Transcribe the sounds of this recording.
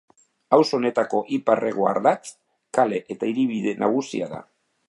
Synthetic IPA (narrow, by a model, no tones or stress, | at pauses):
awso̞ne̞t̪ako̞ʔiparʔe̞ɣ̞oa̰ɾðat͡s | kale̞ʔet̪aiɾiβiðe̞nʔaɣ̞usḭaða̰